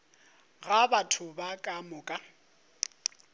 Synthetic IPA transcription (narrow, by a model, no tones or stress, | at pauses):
ɣabatʰʊbakʼamʊːkʼa